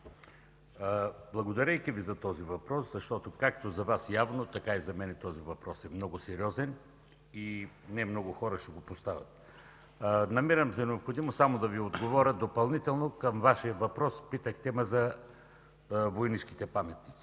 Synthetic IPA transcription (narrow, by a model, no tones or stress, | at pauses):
blˠɐɡod̪ɐɾɛjkivizɐt̪ɔzivɐpɾɔszɐʃt̪ɔt̪okak̚t̪ozɐvasjavnot̪ɐkaizɐmɛnɛt̪ɔzivɐpɾɔsɛmnɔɡʊsɛɾiɔzɛn | i | nɛmnɔɡʊxɔɾəʃɛɡopost̪avɐ̰t̪̚ | nɐmiɾəmzɐnɛopxod̪imosamod̪ɐviod̪ɡovɔɾʲəd̪opɐlˠnit̪ɛlˠnokəmvaʃijəvɐpɾɔspit̪əxt̪ɛmɛzɐ | vojnit͡ʃk̟i̥t̪ɛpamɛt̪nit̪si̥